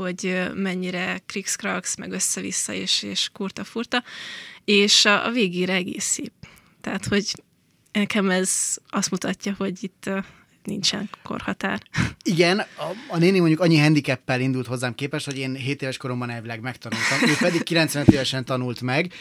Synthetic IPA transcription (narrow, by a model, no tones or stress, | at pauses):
ho̞ɟømɛɲːiɾɛkrikskrɒksmɛ̰ɡø̞sːɛvḭsːɒ̰eːʃeːʃkurt̪ɒfurt̪ɒ | eːʃɒ̰veːɡeːɾɛɛɡḛːsiː | t̪ɛɦːt̪ho̞ɟ | ɛkɛmɛzɒst̪mut̪ɒcːɒho̞ɟit̪ː | nḭnt͡ʃɛ̰ŋko̞̰rhɒt̪a̰ːriɡɛnɒːneːnimo̞ɲɟukɒɲːiɦɛnd̪ikɛpːɛlind̪ult̪ho̞zːaːmkeːpɛʃt̪ho̞ɟeːnɦeːt̪eːvɛʃko̞ɾo̞mbɒnɛlvilɛɡmɛkt̪ɒnult̪ɒmøːppɛd̪ikːilɛnt̪sʋɛnøt̪eːvɛʃɛnt̪ɒnult̪mɛɡ